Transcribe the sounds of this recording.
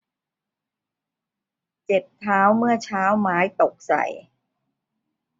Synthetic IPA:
t͡ɕe˨˩p̚t̪ʰaː˦˥wmɯ˥˩ɐt͡ɕʰaː˦˥wmaː˦˥jt̪o˨˩k̚sa̰˨˩j

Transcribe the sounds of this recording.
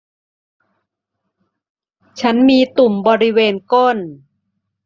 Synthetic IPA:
t͡ɕʰa˦˥nmiː˧t̪u˨˩mbɔː˧ɾi˦˥weː˧nko˥˩n

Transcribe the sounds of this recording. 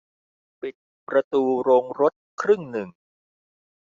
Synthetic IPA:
pi˨˩t̪̚ | pɾa˧t̪uː˧ɾoː˧ŋɾo˦˥t̪̚kʰɾɯ˥˩ŋnɯ˨˩ŋ

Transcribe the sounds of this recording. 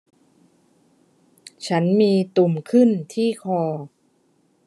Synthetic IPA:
t͡ɕʰa˦˥nmiː˧t̪u˨˩mkʰɯ˥˩nt̪ʰiː˥˩kʰɔː˧

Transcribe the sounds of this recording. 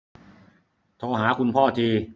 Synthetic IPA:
t̪ʰɔː˧ɦaː˩˦kʰu˧npʰɔː˥˩t͡ɕ̪ʰiː˧

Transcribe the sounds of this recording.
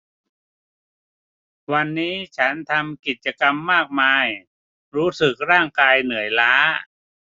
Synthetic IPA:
wa˧nːiː˦˥t͡ɕʰa˦˥nt̪ʰa˧mki˨˩t̪̚t͡ɕa˧ka˧mːaː˥˩k̚maː˧j | ɾuː˦˥sɯ˨˩k̚ɾaː˥˩ŋkaː˧jnɯ˩˦əjlaː˦˥

